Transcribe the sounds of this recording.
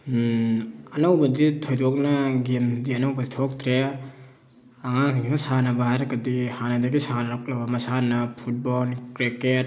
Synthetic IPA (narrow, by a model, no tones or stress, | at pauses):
ɐnowbɐditʰojdok̚nɐɡemdiɐnowbɐditʰok̚tʰɾe | aŋaŋɡemɐsanɐbahajɾɐɡɐdihanɐdɐɡisanɾak̚lɐbɐmɐsanɐpʰut̚bolkɾeket̚